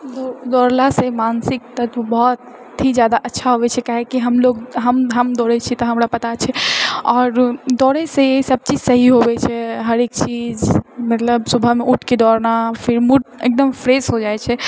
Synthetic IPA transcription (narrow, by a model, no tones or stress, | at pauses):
d̪ɔd̪ɔːɾlasemansɪk̚t̪ət̪bɔɦt̪ːʰ | id͡ʒjad̪aʔətːʃʰaɦobɛt͡ʃʰɛkaɦekiɦəmloɡɦəmɦəmd̪ɔɾɛt͡ʃʰit̪ɔɦəmɾapɐt̪at͡ʃʰɛɔːɾd̪ɔːɾeseesəb̚t͡ʃid͡ʒsəɦiɦobɛt͡ʃʰɛɦəɾekt͡ʃid͡ʒmət̪ləbsubʱəɦmeʔuʈʰked̪ɔɾnafʰiɾmuʈḛk̚d̪əmpʰɾesɦod͡ʒaɛt͡ʃʰɛ